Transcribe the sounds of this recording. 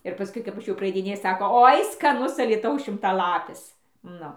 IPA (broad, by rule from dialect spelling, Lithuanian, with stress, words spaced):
ɪr pɐˈskʊɪ kɐp ˈɐʃ jɛʊ prɐɐɪdʲɪˈnʲeːjʊ ˈsɑːkoː ˈoːɪ skɐˈnʊs ɐlʲiːˈtɐʊs ʃʲɪmtɐˈlˠɑːpʲɪs ˈnʊ